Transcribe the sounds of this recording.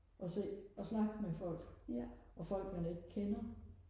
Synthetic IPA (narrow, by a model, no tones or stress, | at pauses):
ʔɒ̽se̝̰ːɒsnɑ̈ɡ̥mefɒ̽l̰ɡ̥ʔɒ̽fɒ̽l̰ɡ̥mæne̝ɡ̥kʰenɐ